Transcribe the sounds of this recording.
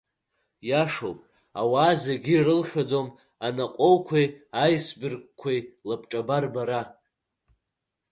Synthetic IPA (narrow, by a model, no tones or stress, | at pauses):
jaʂo̰wpʼ | a̰waːzaɡʲirɨlʃʲʷᶣad͡zom | anaqʼowkʷʰijajsbɨrk̚ʷʼkʷʰajlapʰʼʈ͡ʂʼabarbaɾa